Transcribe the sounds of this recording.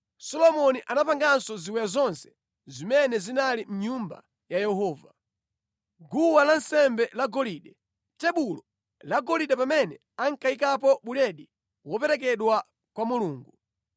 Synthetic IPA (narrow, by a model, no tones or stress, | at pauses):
sɔlɔmɔniʔanapaŋɡansɔziwɛjazɔnsɛ̥ | zimɛnɛzinalim̩ɲumba̰ | jajɛhɔːva | ɡuwalansɛmbɛlaɡɔliːɗɛ | tɛɓulɔ | laɡɔliɗɛpamɛnɛ | aŋkaikapɔɓulɛɗi | wɔpɛɾɛk̬ɛɗwa | kwamuluːŋɡu